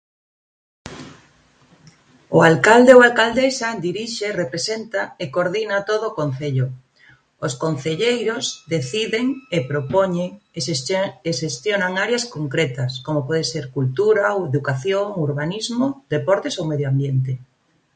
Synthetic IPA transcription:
oalkald̪eowalkald̪esad̪iɾiʃerepɾesent̪aekoɾðinat̪oð̞oːkon̟θeʎo | oskon̟θeʎejɾozd̪eθiðeŋepɾopoɲeŋ | eʃest̪jonaŋaɾjaskoŋkɾet̪ɐskomopɔðeseɾkult̪uɾaoweðukaθjoŋuɾβ̞anizmod̪epɔɾt̪esowmeðjoambjent̪e

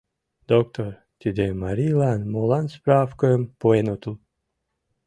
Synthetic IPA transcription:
d̪̥okt̪ʰoɾ | t̪ʲid̪emaɾilˠanmolˠanspɾafkompoenot̪ulˠ

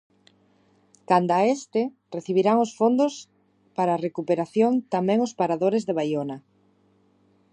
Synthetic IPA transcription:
kand̪aest̪ɪ | reθiβiɾaŋosfond̪ʊs | paɾaːrekupeɾaθjont̪amɛ̃ŋʊspaɾaðoɾezðeβ̞ajona

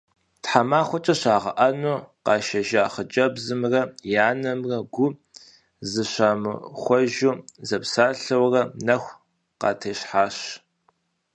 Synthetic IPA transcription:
tħamaːχʷɔt͡ʃʼɐɕaːʁɐ̰ʔɐnuːqɑːʃɐʒaːχət͡ʃʼɐbzɨmrɐjaːnɐmrɐɡʷʊ | zɨɕaːmɨ̰χʷɔʒuːzɐpsaːɬɐwrɐnɐxʷ | qɑ̰ːtʰeːɕħaːɕ

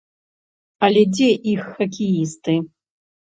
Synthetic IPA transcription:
alʲɛd͡zʲeʔixːakʲʰejist̪ɨ

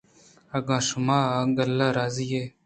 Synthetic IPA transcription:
ɐɡãːʃumaːɡɐlːaɾaːzijeː

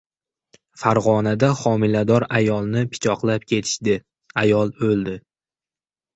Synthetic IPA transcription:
faɾʁɒnad̪aχɒmɪlad̪ɒɾajɒlˠnɪpʰɪ̥t͡ʃʰɒqlˠap̚kʲʰe̞t̪ʰɪ̥ʃd̪ɪ | ajɒlˠɵlˠd̪ɪ

